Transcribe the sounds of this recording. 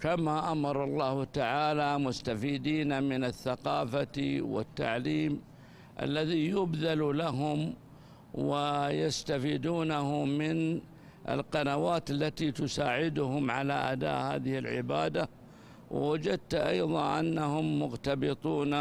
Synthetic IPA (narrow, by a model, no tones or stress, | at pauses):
kamaʔamɑɾˤɑlˤːɑːhʊt̪aʕaːlamʊst̪afiːd̪iːnamɪnaθːaqɑːfawɪ̰t̪ːa̰ʕliːm | ʔa̰lːaðijʊbðallaɦʊm | wɪjast̪afiːd̪uːnahʊmɪn | ʔɪ̰lqɑnawaːt̪alːat̪it̪ʊsaːʕɪd̪ʊɦʊmʕala̰ʔad̪a̰ːʔha̰ːðɪhɪlʕɪ̰baːd̪a | wɪ̰wad͡ʒad̪̚t̪ʔɑ̰jðˤɑʔa̰nːahʊmːʊɣt̪abɨt̪ˤuːn